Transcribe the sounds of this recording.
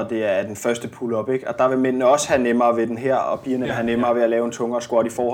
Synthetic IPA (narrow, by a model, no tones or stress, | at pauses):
ɒd̥e̝æɐd̥enfɶɐsd̥əpʰulɒ̽b̥e̝ɡ̥ɒ̽d̥ɑ̈ʋe̝lmen̰nəɒ̽shænemɐːʋe̝d̥enɦæɐ̰ɒ̽pʰiːɐnəeɦænemɐːʋe̝ælɛːʊe̝nt͡sʰɔ̽ŋɐːsɡ̥wɒ̰d̥ifɒːhɒ̽